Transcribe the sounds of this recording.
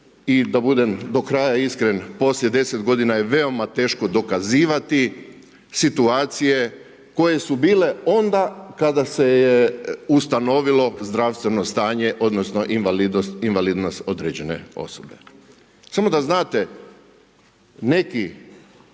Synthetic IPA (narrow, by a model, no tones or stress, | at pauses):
id̪abud̪emd̪o̞kɾajaiskɾenpo̞slje̞d̪e̞set̪ɡo̞d̪inajeʋe̞o̞mat̪e̞ːʃko̞d̪o̞kaziːʋat̪i | sit̪uaːt̪sije̞ | ko̞je̞subiːle̞o̞nd̪akad̪asejeust̪ano̞ʋilo̞zd̪ɾaʋst̪ʋe̞nost̪aːɲe̞ʔo̞d̪nosno̞ʔinʋalid̪nost̪inʋaliːd̪nost̪o̞d̪ɾed͡ʑe̞ne̞̰o̞̰sobe | samo̞d̪aznaːt̪e̞ | ne̞ki